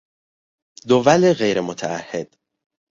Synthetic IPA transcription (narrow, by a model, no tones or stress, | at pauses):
d̪ovæleɣejɾemot̪ʰæːhːed̪̥